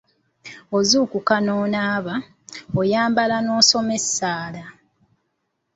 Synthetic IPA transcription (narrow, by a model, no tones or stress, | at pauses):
ozuːkukanoːnaːβa | ojaːmbalano̞ːso̞me̞sːaːla